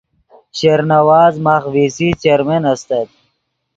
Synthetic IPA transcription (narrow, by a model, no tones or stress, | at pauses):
ɕeɾnɐwaːzmaːxvisit͡ɕeɾmenɐst̪ɐt̪̚